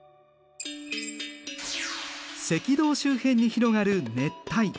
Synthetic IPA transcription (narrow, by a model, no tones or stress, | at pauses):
se̞kʲid̪o̞ːɕɨːhẽ̞ɲ̟ːiçiɾo̞ɡaɾɯ̟ne̞t̪ːai